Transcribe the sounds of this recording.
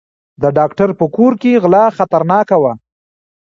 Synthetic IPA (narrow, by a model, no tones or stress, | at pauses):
d̪əɖɑkʈaɾpəkoɾkeɣlɑxat̪aɾnɑkawa